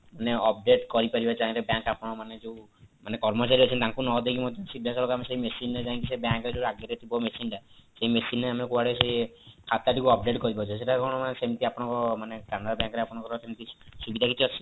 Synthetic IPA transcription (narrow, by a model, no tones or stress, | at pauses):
maneɔp̚ɖeʈkɔɾipaɾibat͡ʃʰaĩɾebjãŋkapɔɽ̃ɔmaned͡ʒeũ | manekɔɾmɔt͡ʃaɾiɔt͡ʃʰɔnt̪aŋkunɔd̪ekimɔd̪ʱjɔsid̪ʱːasɔɾlɔkameseimesined͡ʒãk̪is̬ebjãŋkɔɾed͡ʒeɾaɡjɔɾet̪ʰibɔmesinʈaseimesineamekuaɽeseikʰat̪aʈikuɔp̚ɖeʈkɔɾibɔt͡ʃʰɔseʈakɔɽ̃ɔmanesemt̪iapɔɽ̃ɔŋkɔmanekanaɾbjãŋkɔɾeapɔɽ̃ɔ̃ŋkɔɾɔsemt̪isubid̪ʱakit͡ʃʰiɔsʰi